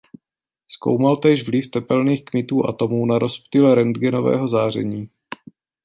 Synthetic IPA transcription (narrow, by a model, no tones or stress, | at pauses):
sko̞̰wmalt̪ɛːʒvlɪft̪ɛpɛlniːxkmɪt̪uːʔat̪o̞muːnaɾo̞spt̪ɪlɛɾɛnd̪ɡɛno̞vɛ̰ːɦo̞zaːr̝ɛ̰ɲiː